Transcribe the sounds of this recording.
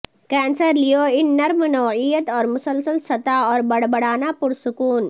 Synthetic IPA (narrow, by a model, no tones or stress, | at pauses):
kɛːnsəɾlijoːinːɐɾmənɐwijət̪ɔːɾmʊsəlsəlsɐt̪aːɔːɾbɐɽbɐɽaːnaːpʊɽsʊkuːn